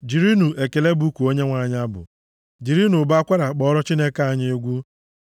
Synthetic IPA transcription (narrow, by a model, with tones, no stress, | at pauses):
d͡ʒi˨ɾi˦nu˨ʔe˨ke˨le˦bu˨u˦ku˨o˦ɲe˦ŋʷa˨ɲ˦a˦bʊ̰˨ | d͡ʒi˨ɾi˦nu˨ba˦a˦kʷa˦ɾa˨k͡pɔ˦ɾɔ˦t͡ʃi˦ne˦ka˦a˨ɲɪ˦e˦ɡʷu˦